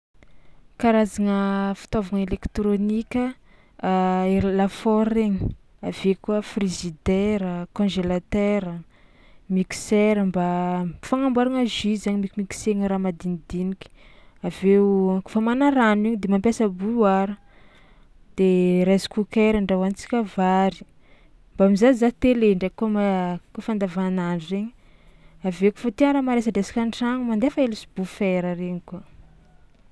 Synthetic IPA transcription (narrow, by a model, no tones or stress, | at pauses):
kaɾazaŋəfi̥t̪avaŋelekt̪ɾonikʲə | elafɔɾeɲə | avekuəfrizid̪eɾəkõʒelat̪eɾə | mikseɾəmbafaŋambuaɾaŋaʒizaɲimikʲimiki̥seŋɾamad̪inid̪inikʲi̥aveku̥famanaɾaniɲid̪emampʲjasabuwaɾə | d̪̥eɾazi̥kukeɾaɳɖ͡ʐawant͡si̥kʲavaɾi̥ | mbaamizazat̪eleɳɖ͡ʐekomakofand̪avanaɳɖ͡ʐuzeɲi | aveku̥fat̪ianɾamaɾesəd̪easḁkʲanʈ͡ʂaŋumand̪efaelusi̥b̥ufeɾəreɲiku